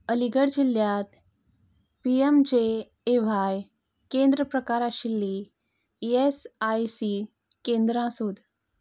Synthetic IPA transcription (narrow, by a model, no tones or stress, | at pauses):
əliɡəɽd͡ʑiljat̪ | piemd͡ʑeː | ʋ̤aj | kend̪ɾəpɾəkaɾaɕilːi | esajsi | kẽnd̪ɾãsod̪